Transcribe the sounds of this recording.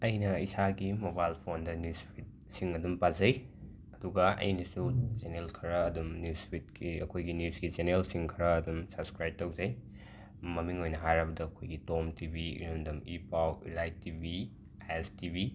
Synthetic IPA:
ɐjnɐisaɡimobajlpʰondɐnjuspʰit̚ | siŋɐdumpazɐj | ɐduɡɐɐ̰jnɐsuzenelkʰɐɾɐːdumnjuspʰit̚kiɐkʰojɡinjuzɡizenelsiŋkʰɐɾɐːdumsɐbskɾajb̚tɐwzɐj | mɐmiŋojnɐɦajɾɐbɐdɐːkʰojɡitomtibḭɾomdɐmipawḭlajtibi | ajestibi

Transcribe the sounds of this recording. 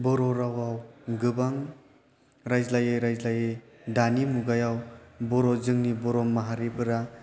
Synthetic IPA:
bɔɾɔɾawawɡɯbaŋ | ɾajzlajɯɾajzlajɯ | danimuɡajawbɔɾɔzɯŋnibɔɾɔmːaɦaɾibʰɯɾa

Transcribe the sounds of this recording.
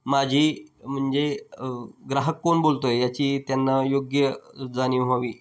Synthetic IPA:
mad͡ʑʱiːm̤əɳd͡ze | ɡɾaɦəkːonbolt̪ojejat͡ɕiːt̪janːajoɡjəd͡zaniːɦaʋiː

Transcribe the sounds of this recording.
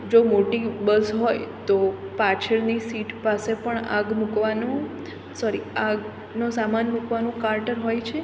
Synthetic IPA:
d͡ʒomoʈibəsɦojt̪opat͡ʃʰəɭnisiʈpasepəɳa̰ɡmukʋanũ | sɔɾiaɡ | nosamanmukʋanũkaɾʈəɾɦojt͡ʃʰe

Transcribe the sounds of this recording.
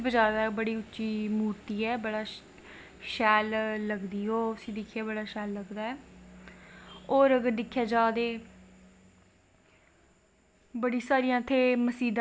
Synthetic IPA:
bəd͡ʒaːd̪aɛbəɽiːʊtːʃiːmuːɾt̪iːɛːbəɽaː | ʃɛːlːəɡd̪iːoːsĩːd̪ɪkʰːjaːbəɽaːʃɛːlːəɡd̪aːɛː | oːɾəɡəɾd̪ɪkʰːjaːd͡ʒaːd̪eː | bəɽiːsaːɾijãːt̪ʰːeːməsiːd̪

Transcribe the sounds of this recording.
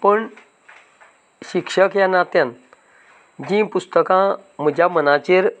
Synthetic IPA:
pəɳ | ɕikʂəkjanat̪jãn | d͡ʑĩpust̪əkãm̤əd͡ʑjamənat͡ɕeɾ

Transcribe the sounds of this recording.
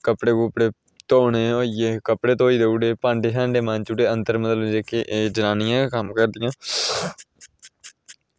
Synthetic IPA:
kəpɽeːkʊːpɽeː | t̪oːneːoːieːkəpɽeːt̪õːiːd̪euːɖeːpãːɳɖeːsãːɳɖeːmãːnt͡ʃuːʈeːənt̪əɾməd̪əld͡ʒeːkeːʔeːd͡ʒənaːnɪjãːkəmkəɾd̪ɪjãː

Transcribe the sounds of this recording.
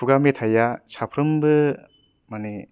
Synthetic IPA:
uɡametʰajasʰapʰɾɯmbɯ | mane

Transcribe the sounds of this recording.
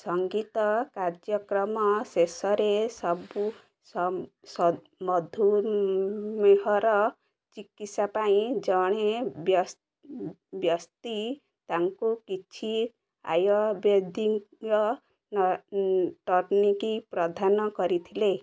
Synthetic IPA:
sʌŋɡit̪ɔkaɾd͡ʒjʌkɾʌmɔsesʌɾesʌbu | s | s | mʌd̪ʱu | meɦɔɾʌ | t͡ʃikit̪sapaĩd͡ʒʌɽ̃ebjs | bjʌst̪i | t̪aŋkukit͡ʃʰi | a̰jɔbed̪ʱiŋʌ | n | ʈɔɾnikipɾɔd̪ʱanɔkʌɾit̪ʰile

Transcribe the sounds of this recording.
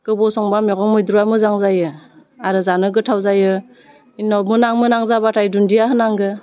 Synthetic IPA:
ɡ̥ɯbɔsɔŋbameɡɔŋmɯjdɾuamɯzaŋzajɯaɾɯzanɯɡɯtʰawzajɯ | inɔmɯnaŋmɯnaŋzabatʰajdundijaɦɯnaŋɡɯ

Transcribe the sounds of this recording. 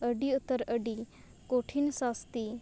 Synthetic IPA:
əɖiut̪ːəɾəɖi | koʈʰinsast̪i

